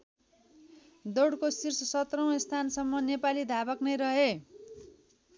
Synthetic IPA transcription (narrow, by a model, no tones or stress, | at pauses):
d̪oɽkosirsʌsʌt̪rʌw̃est̪ʰansʌmːʌnepalid̪ʱabʌknʌjɾʌɦe